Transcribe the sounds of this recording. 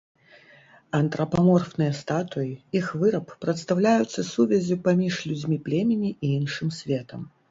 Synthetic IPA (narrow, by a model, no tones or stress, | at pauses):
ɐnt̪ɾɐpamɔrfnɨjɐst̪at̪ujiixvɨɾɐppɾɐt̪st̪awlʲajut̪sːɐsuvʲɛzʲupamʲiʂlʲud͡zʲmʲiplʲɛmʲɪnʲiʔiinʂɨmsʲvʲɛt̪ɐm